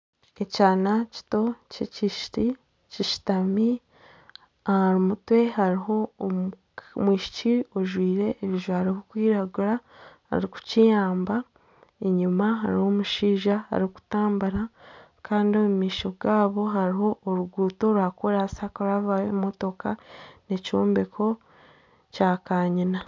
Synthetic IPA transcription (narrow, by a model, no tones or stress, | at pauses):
e̞caːnaci̥to̞cḛciʃti | ciʃi̥tami | ɾumutwe̞haɾiɦo̞m | mwiːʃi̥cioʒwiːɾe̞ʔːβiʒwahaɾihokwiːɾaɡuɾaha̰ɾiku̥cijaːmba | eɲumaɦaɾiho̞muʃiːʒaha̰ɾiku̥taːmbaɾa | kʰaːndiomumiːʃo̞ɡaːβo̞ɦaɾiɦo̞ʔːɾuɡuːto̞ɾwaːkoɾasakoɾaβawemo̞to̞kane̞coːmbekʰo̞ | caːkaːɲina